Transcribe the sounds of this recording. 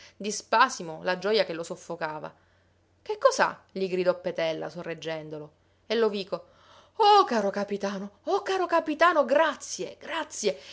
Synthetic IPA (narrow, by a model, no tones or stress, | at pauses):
d̪ispaːsimolad͡ʒɔjakelosofːokaːva̰ | k̟ekːɔsa̰ʎiɡɾid̪ɔpːet̪ɛlːa̰sorːed͡ʒːɛnd̪olo | elːoviːko | ɔkaːɾokapit̪aːnoɔkaːɾokapit̪aːnoɡɾat̪sːjeɡɾat̪sːje